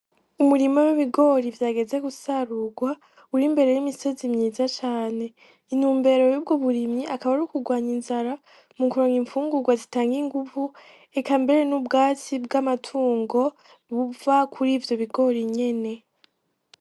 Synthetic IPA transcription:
umuɾimowiβiɡo̞ɾivjaːɡe̞ze̞ɡusaɾuɡwa | uɾimbe̞ɾe̞jimiso̞zimɲiːzat͡ʃaːne̞ | in̥huːmbe̞ɾo̞jub̚ɡoβuɾimɲiakaβaɾukuɡwaːɲinzaɾa | mukuɾoŋiɱfuːŋɡuɡwazitaːŋɡiŋɡuvu | e̞kambe̞ɾe̞nubɡaːt͡sibɡamatʰuːŋɡo̞ | βuvakʰuɾiːvjo̞βiɡo̞ɾiɲe̞ne̞

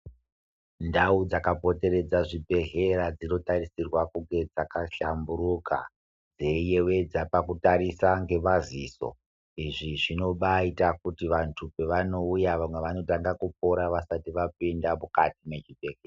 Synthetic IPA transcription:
ndaud͡zakapo̞te̞ɾe̞d͡zaʐibʱe̞ɦe̞ɾad͡zino̞tarisirwakuŋɡe̞d͡zakaʃambuɾuka̰ | d͡ze̞je̞we̞d͡zapakutaɾisaŋɡe̞maziːso̞̰ | iʐiʐino̞ɓaitakutiʋantʰupeʋano̞ujaʋamwe̞ʋano̞taŋɡakup̚o̞ɾaʋasatiʋapindamukatimet͡ʃibʱe̞ɦeːa

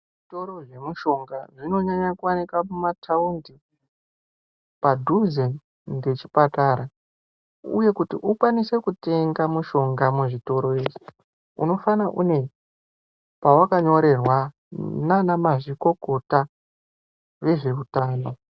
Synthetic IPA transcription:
ʐito̞ɾo̞ʐe̞muʃo̞ŋɡaʐino̞ɲaɲakuwanikamumatʰaundi | padʱuzen | de̞t͡ʃi̥pataɾa | ṵje̞kutiʔukwanise̞kute̞ŋɡamuʃo̞ŋɡamuʐito̞ɾo̞eːʐi | ṵno̞fanaʔṵne̞ | pawakaɲo̞ɾe̞rwa | nanamaʐiko̞ko̞ta | ʋe̞ʐe̞utaːno̞

